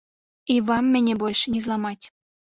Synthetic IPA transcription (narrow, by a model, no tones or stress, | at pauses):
iβɑmːɘ̆nʲebolʲʃnʲizlˠɑmɑt̪ʲ